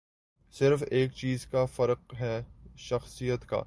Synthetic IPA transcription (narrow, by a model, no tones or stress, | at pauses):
sɪɾfeːk̚t͡ʃiːzkafɐɾq̚ɦɛʃɐxsijət̪ka̰ː